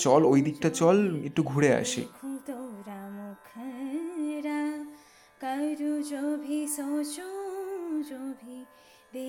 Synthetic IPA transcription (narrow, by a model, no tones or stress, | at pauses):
t͡ɕɔlojd̪ik̚ʈat͡ɕɔlek̚ʈuɡʱuɽea̰ʃḛpʰult̪oɾamukʰɐ | ɾa | kʌjɾud͡ʒobʱisowt͡ʃu | d͡ʒobʱi | d̪e